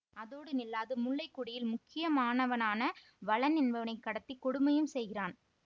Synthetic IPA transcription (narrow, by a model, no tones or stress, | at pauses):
ɐðoːɽɯnɪlːaːðɯmʊɭːɐɪkːʊɽɪjɪlmʊkːɪjɐmaːnɐʋɐnaːnɐ | ʋɐɭɐnɛnbɐʋɐnɐɪkːɐɽɐt̪ːikːɔɽʊmɐjɯmsɛjɣɪraːn